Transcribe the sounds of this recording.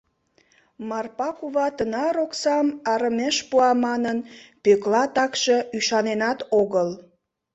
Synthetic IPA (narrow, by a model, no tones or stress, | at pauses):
mɑrpɑkuβɑt̪ənɑɾoksɑmɑɾəmeʃpuɑmɑnənpøklɑt̪ɑkʃeyʃɑnenɑt̪oɣəl